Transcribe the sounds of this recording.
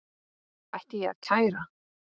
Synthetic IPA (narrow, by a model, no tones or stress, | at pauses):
ajht̪ɪjɛa̰ð̥cʰaːjɾa